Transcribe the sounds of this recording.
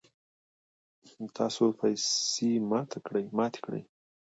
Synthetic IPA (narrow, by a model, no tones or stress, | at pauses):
t̪ʰɑsopʰajsemɑt̪ʰakɽəjmɑt̪e̥kɽə̰j